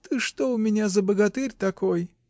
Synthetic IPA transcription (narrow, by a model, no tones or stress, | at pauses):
t̪ɨʂt̪oʊmʲɪnʲazəbəɡɐt̪ɨrʲt̪ɐkoj